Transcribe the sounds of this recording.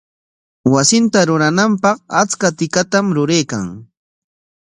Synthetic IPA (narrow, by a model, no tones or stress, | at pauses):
wasɪnt̪aɾʊɾanampɑqat͡skat̪ɪkat̪amɾʊɾejka̰ŋ